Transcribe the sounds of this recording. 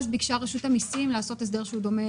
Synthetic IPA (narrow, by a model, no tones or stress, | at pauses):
ʃbikʃaʁaʃutamisimlaːso̞t̪es̬d̪eʁʃeud̪o̞me